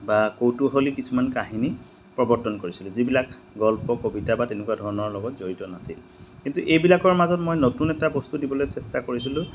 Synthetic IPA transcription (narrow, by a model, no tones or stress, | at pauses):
bakowtuɦolikisumankaɦini | pɹɔbɔɹtɔnkoɹisilʊ̃zibilak | ɡɔlpɔkobitabatenɛkwadʱɔɹɔnɔɹlɔɡɔtzoɹitɔnasḭl | kintuʔejbilakɔɹmazɔtmojnotunɛtabɔstudibɔlojsɛstakoɹisilʊ̃